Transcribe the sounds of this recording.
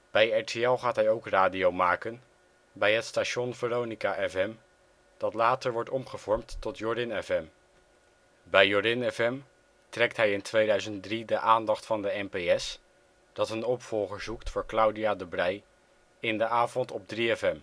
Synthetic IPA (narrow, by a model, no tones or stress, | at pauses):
b̥ɛjɛɹtʰeɛlˠχaːtɦɛjowkraːdiowmaːkən | bɛjɦətstaːʃɔnvərownikaʔɛfɛm | d̥ɑtlaːtəɹʋɔɹtɔmχəv̥ɔɹmtːɔtjɔdɪnɛfɛm | bɛjɔdɪnɛfɛm | trɛktɦɛjɪntʋejdœɥzəntdridəʔaːndɑχtfɑndəɛnpejɛs | d̥ɑtənɔpfɔlˠχəɹzuktfʊːɹklʌwdiaːdəbrɛj | ɪndəʔaːvɔntɔb̚driɛfɛm